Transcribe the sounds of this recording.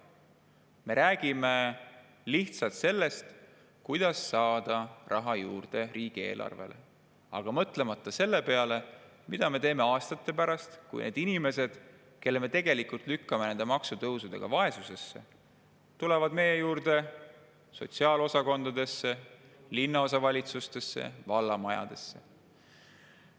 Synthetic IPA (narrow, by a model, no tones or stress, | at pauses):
me̞ɾʔæːɡ̥ime̞ | liht̪sɑlt̪se̞lːe̞st̪ | kujd̪̥ɑsːɑːd̪̥ɑrʔɑɦɑjuːrd̪̥e̞ɾiːɡ̥ie̞ːlʔɑ̰rvḛlʔḛ | ɑɡ̥ɑmɤt̪ˑle̞mɑt̪ːˑɑse̞lːe̞pe̞ɑle̞ | mid̪̥ɑme̞t̪e̞ːme̞ɑːst̪ɑt̪ˑːe̞pæɾɑst̪kṵjnʔe̞ːd̪inime̞se̞d̪̥ | ke̞lːeme̞t̪e̞ɡe̞likult̪ˑlykːɑme̞ne̞nd̪̥e̞mɑksut̪ɤwsud̪̥e̞̰ɡ̥ɑvɑe̞suse̞sːe̞̰ | t̪ule̞vɑd̪me̞je̞juːrd̪̥e̞ | so̞̰t̪siɑːlo̞sɑko̞nd̪̥ɑd̪e̞sːe̞ | linːɑo̞sɑvɑlʲit̪sust̪e̞sːe̞̰vɑlːɑmɑjɑ̰d̪̥e̞sːe̞̰